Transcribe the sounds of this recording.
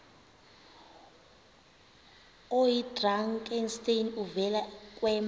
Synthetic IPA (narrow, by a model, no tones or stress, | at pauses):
ojidraŋkʼɛnstʼenuvɛlakʼwɛːm